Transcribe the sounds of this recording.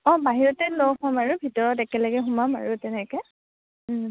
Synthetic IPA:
ɔ̃baɦiɹɔtɛlɔwhɔmaɹubʱitɔɹɔtɛkɛlaɡɛxumama̰ɹutɛnɛkɛ

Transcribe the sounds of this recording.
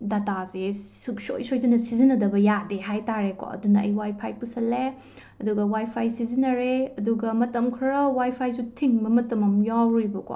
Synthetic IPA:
datazesuk̚so̰jsojdɐnɐsizinɐdɐbɐjadeɦajtaɾeko̰ɐ̰dunɐɐ̰jwajpʰajpusɐle | ɐduɡɐwajpʰajsizinɐɾeɐduɡɐmɐtɐmkʰɾɐwajpʰajsutʰiŋbɐmɐtɐmɐmjawɾibɐko̰

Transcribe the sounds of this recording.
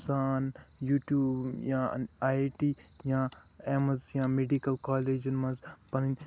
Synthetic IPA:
saːnjuːʈjuːbjãːaːʈiː | jãː | eːmɐzjãːmeɖikɐlkaːleːd͡ʒunmɐ̃nzpɐnin

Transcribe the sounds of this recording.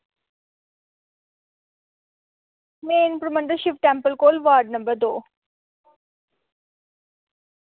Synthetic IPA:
meːnpɾɐmɐnɖ̪əʃɪfʈɛ̃mpəlkoːlʋaːɾɖ̚nɐmbəɾd̪oː

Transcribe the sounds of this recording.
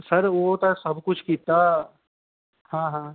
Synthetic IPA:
sɐɾʋot̪asɐbkʊt͡ʃʰkiːt̪a | hãːɦãː

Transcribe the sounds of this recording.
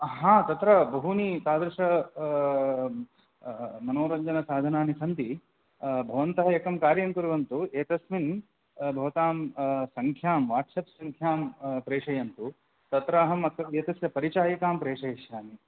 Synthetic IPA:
ɦãːt̪ɐt̪ɾɐbɐɦunit̪aːd̪ɾɐʂɐ | mɐnoːɾɐɲd͡ʒɐnɐsaːd̪ʱɐnaːnisɐnt̪i | bʱɐʋɐnt̪ɐɦɐekɐmkaːɾjɐnk̪uɾɐʋɐnt̪ueːt̪ɐsmin | bʱɐʋɐt̪aːmsɐŋkʰjaːmʋaːɾʈsɐpsɐŋkʰjaːmpɾeːʂɐjɐnt̪u | t̪ɐt̪ɾaːɦɐmːɐt̪ːɐeːt̪ɐsjɐpɐɾit͡ʃaːjɐkaːmpɾeːʂɐjʃjaːni

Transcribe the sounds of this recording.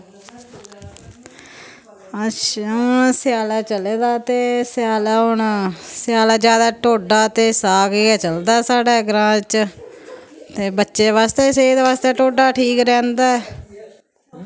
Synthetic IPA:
ət͡ʃʰasɪjaːlaːt͡ʃəleːd̪aːt̪eːsɪjaːlaːɦʊɳsɪjaːlaːd͡ʒjaːd̪aːʈoːɖaːt̪eːsaːɡeːɡɛːt͡ʃəld̪aːɛːsaːɖaːɡɾãːt͡ʃ | t̪eːbətːʃeːʋaːst̪eːseːd̪eːʋaːst̪eːʈoːɖaːʈʰiːkɾɛ̃ːnd̪aːɛː

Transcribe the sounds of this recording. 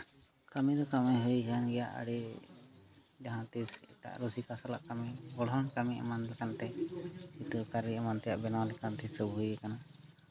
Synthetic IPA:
kamid̪ɔkamajɦukanɡɛja̰ʔa̰ɽi | d͡ʒaɦãt̪isɛ̰ʈa̰ʔɾusikasalaʔkamiɡɔɽɔŋkamiʔa̰manlɛkant̪ɛsit̪ukaɾiamant̪ɛjaʔbɛnawalɛkant̪isəbujɛkana

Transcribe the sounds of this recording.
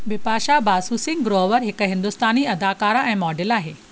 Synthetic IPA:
ʋɪpaːʃabaːsuːsɪ̃ŋɡɾoːʋəɾɦɪkɦɪ̃nd̪ʊst̪aːniɐd̪aːkaːɾaɛ̃ːmɔːɖɪlaːɦeː

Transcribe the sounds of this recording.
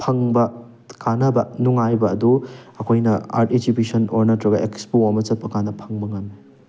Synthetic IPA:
pʰɐŋbɐ | kʰanɐbɐnuŋajbɐɐduɐkʰojnɐa̰ɾted͡ʒibisɐnoɾnɐtɾɐɡɐʔekspowamɐt͡ʃɐt̚pʰɐkanɐpʰɐŋmɐŋame

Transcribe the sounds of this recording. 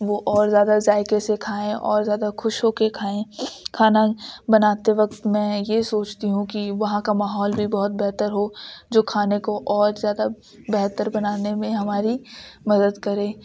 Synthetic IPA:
ʋoʔɔːɾzjaːd̪azaːɪkesekʰaːẽʔɔ̰ːɾzjaːd̪axʊʃɦoːkekʰaːẽkʰaːnabɐnaːt̪eʋɐk̚t̪mɛ̃ːjesoːt͡ʃt̪iɦũkiʋɐɦãkamaːɦɔːlbʱibɔɦʊt̪̚bɛɦt̪əɾɦod͡ʒoːkʰaːnekoʔɔːɾzjaːd̪a | bɛɦt̪əɾbɐnaːnemẽɦɐmaːɾimɐd̪əd̪kɐɾẽː

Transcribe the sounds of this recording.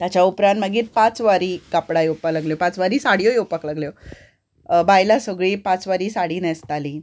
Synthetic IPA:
t̪jat͡ɕjaupɾãnt̪məɡiːt̪̚pãt͡sʋaɾiːkapɽajowpalaɡljopãt͡sʋaɾiːsaɽjojowpəklaɡljo | bajlasəɡɭiːpãt͡sʋaɾiːsaɽiːnɛst̪aliː

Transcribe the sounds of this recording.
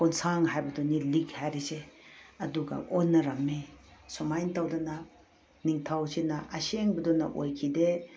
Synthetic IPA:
kɔnsaŋɦajbɐdɔnilikhajɾiseɐduɡɐ̰onːɐɾɐmːesomajntawdɐnɐ | niŋtʰawsinɐʔɐseŋbɐdɔnɐ̰ʔojkʰide

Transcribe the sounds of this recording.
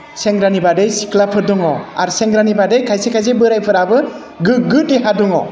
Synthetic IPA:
seŋɡɾanibadejsi̥klapʰɯɾduŋɔa̰ɾseŋɡɾanibadejkʰajsekʰajzebɯɾajpʰɯɾabɯ | ɡɯɡɯtehaduŋɔ

